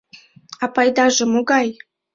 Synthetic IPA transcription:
ɑpɑjd̪ɑʒə̆moɡɑj

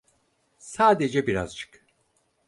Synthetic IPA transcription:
saːd̪e̞d͡ʒɛbiɾa̰zt͡ʃʰɯ̥k

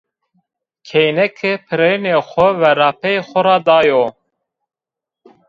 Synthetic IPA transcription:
kʰɛjnɛkʰepʰɨɾeneːxʷɛvɛɾɑːpʰɛexʷɔɾɑːd̪ɑːjoː

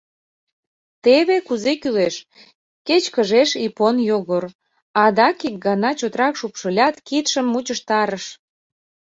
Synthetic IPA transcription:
t̪eβekuzekyleʃ | ket͡ɕkəʒeʃiponjoɣor | ɑd̪ɑkik̚ɡɑnɑt͡ɕot̪ɾɑkʃupʃəlʲɑt̪kit̪ʃəmːut͡ɕəʃt̪ɑɾəʃ

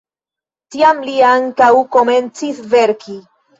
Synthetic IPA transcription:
tiamliaŋkawko̞me̞nt͡sisve̞ɾki

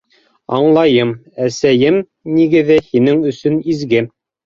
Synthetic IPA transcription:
ɑ̰ɴlˠɑjɤmæsæjɘm | niɡɘ̆ðɘhinɘŋɵ̆sɵnizɡɘ

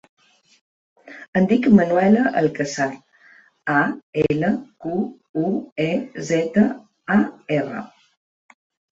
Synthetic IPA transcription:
ənd̪ikmənwɛləʔə̰lkəsaɾ | aeləku | uezɛt̪ə | aerə̰

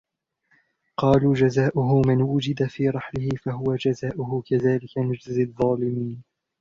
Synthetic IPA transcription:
qɑːluːd͡ʒazaːʔʊɦʊmɪnwʊd͡ʒɪd̪afiːɾˤɑħlɪhɪfaɦʊwad͡ʒazaːʔʊɦʊkaðaːlɪkanʊd͡ʒzɪðˤːɑːlɪmiːn

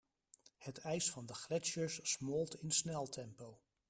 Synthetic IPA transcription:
hətɛjsfɑndəχlɛʃəɹsːmoːlˠtɪnsnɛlˠtʰɛmpow

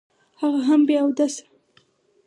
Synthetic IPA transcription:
haɣaɦambjɑwd̪asɪ̥

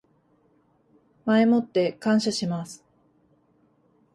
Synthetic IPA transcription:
mae̞mo̞t̪ːe̞kãɰ̃ɕaɕimasɨ̥

